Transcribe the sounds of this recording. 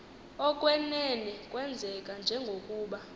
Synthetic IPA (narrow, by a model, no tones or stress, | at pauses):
ɔkʼwɛnɛnɛkʼwɛnd͡zʱɛkʼand͡ʒʱɛŋɡʱokʼuːɓa